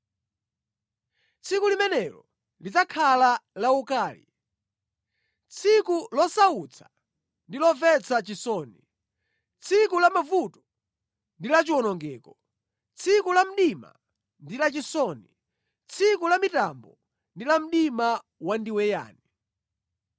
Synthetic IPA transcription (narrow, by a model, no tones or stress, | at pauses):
t͡sʰikulimɛnɛlɔ | lit͡sakʰalalaukaːlḭ | t͡sʰikulɔsaut͡sʰḁ | ndilɔvɛt͡sʰat͡ʃisɔni | t͡sʰikulamavutɔ̥ | ndilat͡ʃiwɔnɔŋɡɛːkɔ | t͡sʰikulam̩ɗima̰ | ndilat͡ʃisɔni | t͡sʰikulamitambɔ | ndilam̩ɗima | wandiwɛja̰ːni